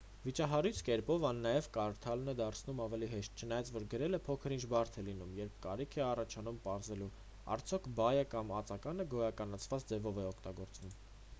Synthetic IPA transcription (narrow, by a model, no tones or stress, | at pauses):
vit͡ʃɑɦɑɾujt͡sʰkɛɾpɔvɑnːɑjɛvkɑɾt̪ʰɑlnɛd̪ɑɾt͡sʰnumɑvɛliɦɛʃt̪̚t͡ʃʰənɑjɑt͡svɔɾɡəɾɛləpʰɔkʰəɾint͡ʃʰbɑɾt̪ʰɛlinumjɛɾp̚ʰkɑɾikʰɛɑrɑt͡ʃʰɑnumpɑɾzɛlu | ɑ̰ɾt͡sʰjɔkʰbɑjəkɑmɑt͡sɑkɑnəɡɔjɑkɑnɑt͡sʰvɑt͡sd͡zɛvɔvɛɔkʰt̪ɑɡɔɾt͡svum